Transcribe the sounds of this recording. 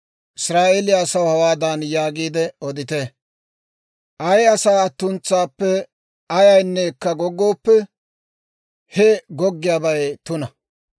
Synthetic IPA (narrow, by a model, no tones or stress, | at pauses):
ʔɪsɾaːʔelɪjaːsɐwhɐwaːd̪ɐnjaːɡiːd̪ɛɔd̪ɪt̪eː | ʔɐjɐsaːɐt̪ːʊnt͡sːaːpːɛ | ɐjɐjnːɛkːɐɡɔɡːo̞ːpːɛ | hɛɡɔɡːɪjaːbɐjt̪ʊnɐ